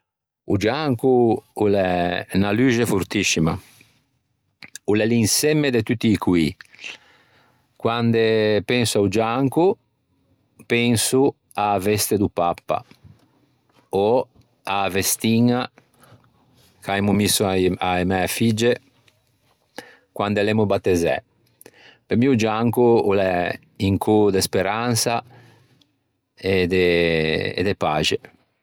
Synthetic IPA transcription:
ṵd͡ʒaŋkuulɛnalyd͡ʒefuɾt̪isima̰ | ulɛlinsɛmːed̪et̪ut̪ːiːkwi | kwand̪epɛnsuaud͡ʒaŋku | pɛnsu | aːvɛst̪ed̪upapːa̰ | o | avest̪iŋa | kaemumisːuaaemɛafid͡ʒe | kwand̪alemubat̪ːezɛ̰ | pemiud͡ʒaŋkuulɛ | iŋkʰud̪espeɾansa | ed̪e | ḛd̪epa̰ːd͡ʒe

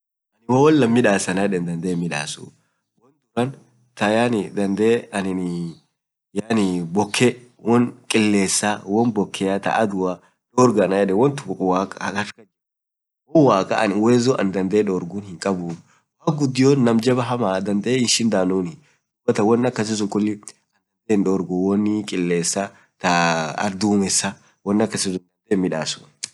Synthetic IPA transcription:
ʔɐnɪwɐwɔnːɐmːɪᶑaːsɐnaɛᶑɛnd̪ɐnd̪eːmɪᶑa̰ːsṵ | wɔnd̪ʊɾɐn | t̪ɐjaːnɪd̪ɐnd̪eːɐnɪn | jaːnɪbɔkʰːɛ | wʔɔnkʼɪlːe̞ːsːaːwɔnbɔkʰːɛjat̪ɐ̰ʔɐd̪ʊa | doːɾɡɐnajɛᶑɛwɔnt̪ʊ̥waːkʼɐɾkɐd͡ʒɛ | wɔnwaːkʼɐ̰ʔɐnɪweːzoʔɐ̰nd̪ɐnd̪ɐeᶑoːɾɡunhɪŋkʼɐbu | waːk̚ɡʊd̪ːɪjoːnnːɐmd͡ʒɐbɐɦɐmaːd̪ɐnd̪ɐʔeɪnʃɪnd̪aːnuːnɪ | d̪ʊbːɐt̪ɐwɔnːɐkːɐs̬ɪzʊkʼʊlːɪ | ɐnd̪ɐnd̪eːnᶑoːɾɡʊwɔnːɪkʼɪlːeːsːa | t̪ɐɐ̰ɾd̪uːmɛsːa | wɔnːɐkːɐsɪzʊd̪ɐnd̪eːmɪᶑaːsʊ̥n

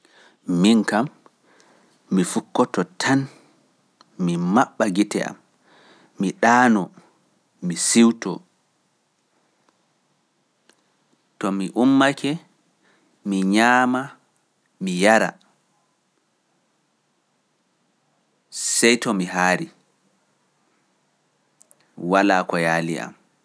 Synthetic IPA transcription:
miŋkam | ifukːɔtɔtʰan | mimaɓːaɡitɛ̰a̰mː | iɗaːnɔ | misiwtɔ | tɔmiʔumːakʰɛ | miɲaːma | mijaɾa̰ | sɛjtɔmiɦaːɾi | walaːkɔjaːlḭʔa̰m

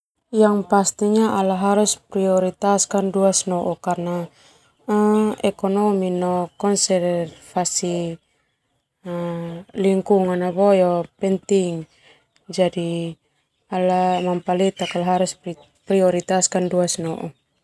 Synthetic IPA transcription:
jaŋpast̪iɲaalaɦaɾuspɾiɔɾit̪askanduasnɔʔɔkarna | ɛkɔnɔminɔkɔnsɛrrfasi | liŋkuŋanabɔjɔpɛnt̪iŋ | d͡ʒadi | alamampalit̪akalaɦaɾus | pɾiɔɾit̪askanduasnɔʔɔ

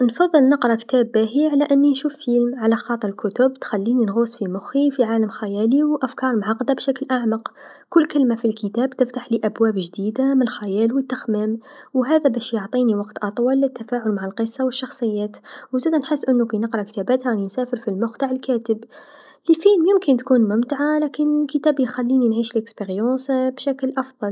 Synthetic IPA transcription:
nfɑðˤːəlnəqɾˤɑkt̪æbːæɦiʕalæʔənːinʃuːfːilmʕalaxɑːt̪ˤəɾˤəlkʊt̪ʊbt̪xælːininɣusfimʊxifiʕaːləmxæjæliwʔæfkɑɾˤmʕɑqd̪abʃæklʔaʕmɑq | kʊlːkəlmafilkət̪æbt̪əft̪aħliʔæbwæːbʒd̪id̪amnəlxæjæːlwət̪ːəxmæmwɦæːðabæːʃjʊʕt̪ˤiːniwɑqt̪ʔɑt̪ˤwɑlɪt̪ːafaːʕʊlmaʕɪlqəsˤːɑwəʃːɑxsˤɨjːæːt̪wzæːd̪ænħɪsːʔɪnːukinəqɾˤɑʔkt̪æbæːt̪halinsæːfəɾfilmʊxt̪aʕɪlkæːt̪əb | lifiːnjɪmkɪnt̪kuːnmʊmt̪aʕalæːkɪnlkət̪æːbjxælːiːninʕiːʃəlʔɪkspiɾjɑ̃sbʃæklʔɑfðˤɑl

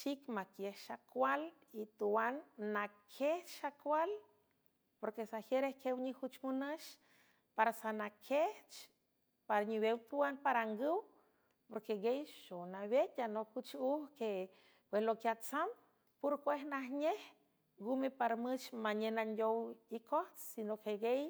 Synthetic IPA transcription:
ʃikmakjehʃakʷal | it̪uwanːakʰeht͡ʃʃakʷwal | poɾkesaxjeɾehkewɲihut͡ʃmunəʃ | paɾasanakʰeht͡ʃ | paɾaɲiβewt̪uwanpaɾaŋɡɨw | poɾkeɡejʃonaβet̪ʲanokut͡ʃuhke | pweslokjat͡sam | puɾkʷeɦnahɲeh | ɡumepaɾmɨt͡ʃmaɲenandʲowikoht͡ssinokeɡej

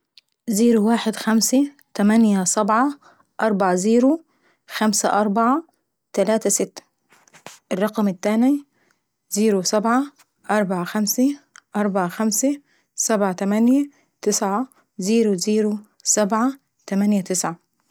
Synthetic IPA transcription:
ziːɾuwaːħɪd̪xamsɪ | t̪amanjasabʕa | ʔɑɾˤbɑʕaziːɾu | xamsaʔɑɾˤbɑʕa | t̪alaːt̪asɪt̪ːḁ | ʔɪrˤːɑqɑmɪt̪ːaːni | ziːɾusabʕa | ʔɑɾˤbɑʕaxamsɪʔɑɾˤbɑʕaxamsa | sabʕat̪amanja | t̪ɪsʕa | ziːɾuziːɾu | sabʕa | t̪amanjat̪ɪsʕa

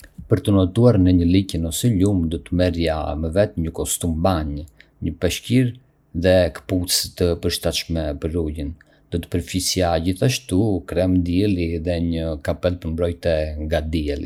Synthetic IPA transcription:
pəɾt̪ənɔt̪uaɾnəɲəlicənɔsɛʎumd̪ɔt̪əmɛɾjaməvɛt̪ɲəkɔst̪umbaɲ | ɲəpɛʃciɾ | ðɛkə̥put͡st̪əpəɾʃt̪at̪ʃmɛpəɾɾujin | d̪̥ɔt̪ə̥pəɾfisjaɟiθaʃt̪ukɾɛmd̪iɛliðɛɲəkapɛlp̪əɾmbɾɔjt̪ɛŋɡad̪iɛlḭ

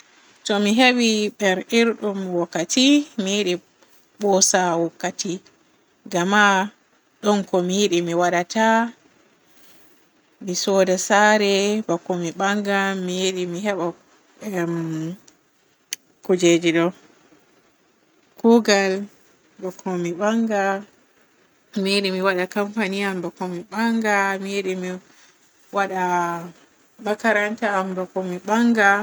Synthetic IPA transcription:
tɔmiɦewiɓɛɾiɾɗumwɔkːatimijiɗi | ɓɔsawɔkːati | ɡama | ɗɔnkɔmijiɗimiwaɗata | misɔdasaɾɛbakːɔmiɓaŋɡamijiɗimiɦɛɓa | kud͡ʒed͡ʒiɗɔ | kuɡal | bakʰːɔmiɓaŋɡa | mijeɗimiwaɗakampanijambakːɔmiɓaŋɡamijeɗimi | waɗa | bakaɾantaːmbakːɔmiɓaŋɡa

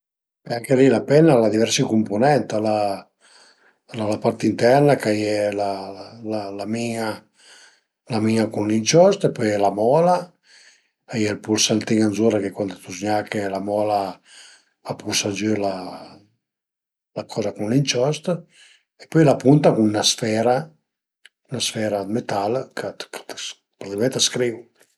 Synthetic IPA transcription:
ɛaŋkelilapɛnalad̪ivɛɾsikumpunɛnt̪ala | lalapaɾt̪int̪ɛrnakajɛlalalamiŋa | lamiŋakunlint͡ʃɔst̪epːɔjɛlamɔːla | ajɛlpuɾsant̪iŋanzuɾakekwand̪ot̪uzɲakelamɔla | apʰusad͡ʒəla | lakʰɔzakunlint͡ʃɔst̪ | epɔjlapunt̪akuŋnasfɛɾa | unasfɛɾamet̪alkʰat̪kḁt̪ | pɾat̪imɛnt̪askɾivu

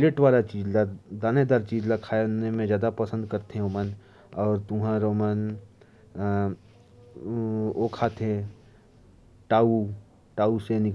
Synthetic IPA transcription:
leʈʋaːlat͡ʃiːzlad̪aːned̪aːɾt͡ʃiːzlɐkʰanemẽzjaːd̪apɐsə̃nd̪̚kɐɾt̪eɦɛ̃oːmən | ɔːɾt̪ʊɦãɾoːmən | oːkʰat̪ẽ | ʈaːu | ʈaːusenɪk

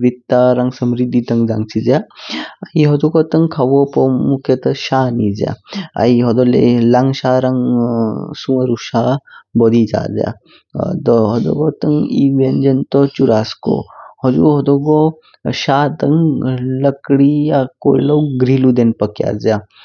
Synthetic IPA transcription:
ʋit̪ːaɾaŋsəmɾid̪ːit̪əŋɡd͡zaŋɡt͡sid͡zjaaiɦɔduɡɔt̪əŋkʰaʋɔpɔmukʰet̪əɕanid͡zja̰a̰iɦɔd̪ɔlḛlaŋɡɕaɾaŋ | sũəɾuɕabɔd̪id͡ʒa̰d͡zja̰ | t̪ɔɦɔd̪ɔ̰ɡɔt̪əŋḭʋend͡ʒənt̪ɔt͡ʃuɾaskɔ̰hɔd͡zṵɦɔd̪ɔɡɔ | ɕat̪ɐŋləkɽijakoiləwɡɾilud̪enpəkja̰d͡zja

